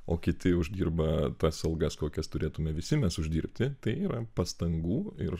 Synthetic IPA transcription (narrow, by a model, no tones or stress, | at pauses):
oːkʲɪt̪ʲɪʊʒʲd̪ʲiːrbɐt̪ɐsɐlˠɡɐskoːkʲɛst̪ʊɾʲeːt̪ʊmʲɛʋʲɪsʲɪmʲɛsʊʒʲdʲiːɾʲpʲt̪ʲɪt̪ɐɪiːɾɐpɐst̪ɐŋɡuːɪr